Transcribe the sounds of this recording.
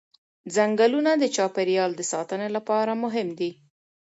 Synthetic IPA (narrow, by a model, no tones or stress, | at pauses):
zaŋɡalunad̪ət͡ʃɑpeɾjɑld̪əsɑt̪ənelapɑɾamʊɦɪmd̪i